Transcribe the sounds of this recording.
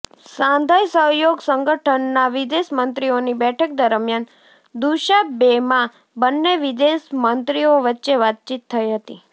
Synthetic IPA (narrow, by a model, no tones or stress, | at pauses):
sãnd̪ʱajsəɦjoɡsəŋɡəʈʰənːaʋid̪esmənt̪ɾionibɛʈʰək̚d̪əɾmjan | d̪uʃabemã | bənːeʋid̪esmənt̪ɾioʋətːʃeʋat̪̚t͡ʃit̪ʰːəiɦət̪i